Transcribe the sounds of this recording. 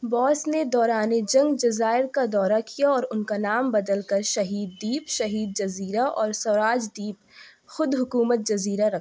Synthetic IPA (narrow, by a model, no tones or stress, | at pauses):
bɔːsned̪ɔːɾaːned͡ʒɐ̃ŋɡd͡ʒɐzaːɪɾkad̪ɔːɾakijaɔːɾʊnkanaːmbɐd̪əlkɐɾʃɐɦiːd̪ːiːpʃɐɦiːd̪̚d͡ʒɐziːɾaʔɔːɾsɐɾaːd͡ʒd̪iːp̚ | xʊd̪ɦʊkuːmət̪̚d͡ʒɐziːɾaɾɐkʰ